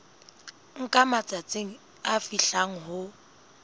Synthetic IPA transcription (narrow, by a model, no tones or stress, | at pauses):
ŋ̩kʼamat͡sʼat͡sʼeŋ̩ | afiɬaŋ̩ɦʊ